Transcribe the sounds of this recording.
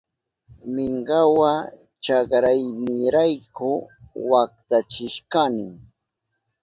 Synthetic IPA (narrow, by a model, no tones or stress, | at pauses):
mɪɴɢɑwa | t͡ʃɑkɾajnɪɾajkʊwak̚t̪at͡ʃɪʃkanɪ